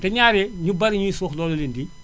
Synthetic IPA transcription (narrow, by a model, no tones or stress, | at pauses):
tɛɲaːɾɛɲubɐɾiɲuisuːxlɔːlolindi